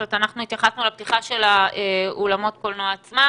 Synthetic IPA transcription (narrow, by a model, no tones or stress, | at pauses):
et̪anaχnuit̪jaχasnulapt̪iχaʃe̞laeolamo̞t̪̚kolnoaːt͡sma